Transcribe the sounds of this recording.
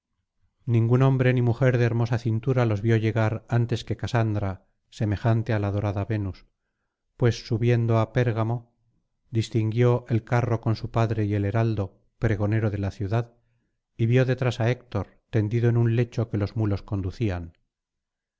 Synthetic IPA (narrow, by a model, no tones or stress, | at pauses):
nĩŋɡunõ̞mbɾe̞nimuxe̞ɾðeeɾmo̞saθint̪uɾalo̞zβjo̞ʝe̞ɣaɾant̪e̞ske̞kasand̪ɾa | se̞me̞xant̪ealaðo̞ɾaðaβe̞nus | pwe̞sːuβje̞nd̪o̞ape̞ɾɣamo̞ | d̪ist̪iŋɡjo̞ʔe̞lkaro̞ko̞nsupaðɾe̞ie̞le̞ɾald̪o̞ | pɾe̞ɣ̞o̞ne̞ɾoðe̞laθjuðað | iβjo̞ðe̞t̪ɾasae̞k̚t̪o̞ɾ | t̪e̞nd̪iðoenunle̞t͡ʃo̞ke̞lo̞zmulo̞sko̞nd̪uθian